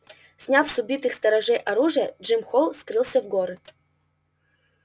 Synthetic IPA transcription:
sʲnʲafsʊbʲit̪ɨxst̪ɐɾɐʐɛjʔɐɾuʐɨjəʐɨmxolˠskɾɨlˠsʲəvɡoɾɨ

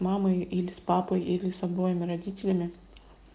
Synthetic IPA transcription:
mɑːmɐɪɪlʲɪspɑːpɐɪɪlʲɪsɐboːjomʲɪɾɐd̪ʲiːt̪ʲɪlʲemʲɪ

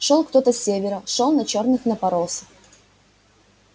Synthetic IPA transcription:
ʂolˠkt̪ot̪əsʲevʲɪɾəʂolˠnɐt͡ɕo̞rnɨxnəpɐɾosə̥f

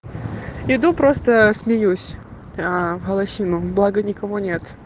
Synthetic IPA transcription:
ɪd̪upɾost̪əsmʲɪjusʲ | avɣəlˠɐɕinʊblˠaɡənʲɪkɐvonʲet̪

